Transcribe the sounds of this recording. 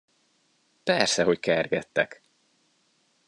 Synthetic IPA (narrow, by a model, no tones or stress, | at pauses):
pɛrsɛɦo̞ckɛrɡɛt̪ːɛk